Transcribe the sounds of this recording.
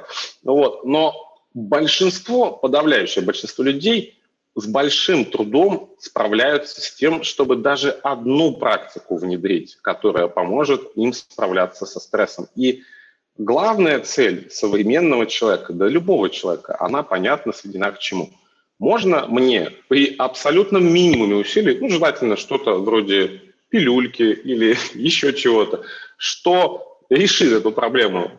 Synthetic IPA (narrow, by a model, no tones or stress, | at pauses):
vo̞t̪̚no̞ | bəlʲʂɨnst̪vo̞pəd̪ɐvlʲæjʉɕːɪjəbəlʲʂɨnst̪volʲʉdʲej | zbɐlʲʂɨmt̪ɾʊd̪o̞mspɾɐ̰vlʲæjʊt̪sə̥sʲtʲe̞mʂt̪o̞bɨd̪aʐɨɐd̪nupɾʔaktʲɪkʊvnʲɪd̪ɾʲitʲkɐt̪o̞ɾə̰jəpɐmo̞ʐɨt̪imspɾɐvlʲat̪sːəsɐst̪ɾɛsəmi | ɡlˠavnəjət̪sɛlʲsəvɾʲɪmʲe̞nːəvət͡ɕɪlˠɐvʲekəd̪lʲəlʲʊbo̞vət͡ɕɪlˠɐvʲekə̰ʔɐ̰napɐnʲat̪̚nəsjʲɪdʲɪnakt͡ɕɪmṵ | mo̞ʐnə̰mnʲe̞̰pɾʲɪʔɐpsɐlʲut̪nəmʲːinʲɪmʊmʲɪʊsʲilʲɪjnuʐɨlˠatʲɪlʲnəʂt̪o̞t̪əvɾo̞dʲɪ | pʲɪlʲulʲkʲɪilʲɪjɪɕːo̞t͡ɕɪvo̞t̪əʂt̪o̞ | ɾʲɪʂɨt̪ɛt̪ʊpɾɐblʲe̞mʊ̰